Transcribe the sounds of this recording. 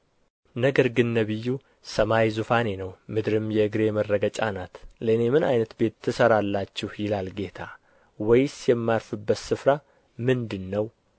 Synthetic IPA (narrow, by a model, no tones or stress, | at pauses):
nəɡəɾɡɨnːəβɨjːu | səmajzufane̞nəwmɨd̪ɾɨmjɛɨɡɾe̞mərːəɡət͡ʃʼanat̪ləɨne̞mɨna̰jnət̪be̞t̪ʰːɨsəɾalːat͡ʃːɪhjɪlalɡe̞t̪ʰa | wɔjsjɛmːaɾfɨbːət̪sɨfɾa | mɨnd̪ɨnːəw